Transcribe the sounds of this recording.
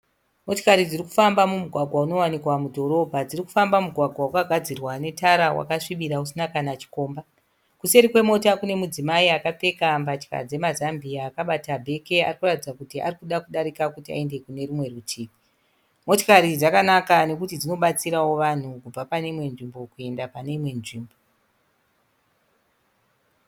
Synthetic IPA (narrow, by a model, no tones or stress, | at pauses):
mo̞tokaɾid͡ziriku̥fambamumuɡʱwaɡʱwauno̞wanikwamudʱo̞ɾo̞bʱad͡ziriku̥fambamuɡʱwaɡʱwaukaɡʱad͡zirwane̞taɾawa̰kaʂiɓiɾausinakanat͡ʃi̥ko̞ːmba | kuse̞ɾikwe̞mo̞takune̞mud͡zimaiakap͡fe̞kambat͡ʃka̰d͡ze̞mazambiaːkaɓatabʱe̞ke̞a̰rikuratid͡zakutia̰rikuɗakuɗaɾikakutia̰e̞nde̞kune̞rimwe̞rutʰiːpi | mo̞to̥kaɾid͡zakanakane̞kutid͡zino̞ɓat͡siɾawo̞ʋan̤ukub͡vapane̞imwe̞nʐimbo̞kue̞ndapane̞imwe̞nʐiːmbo̞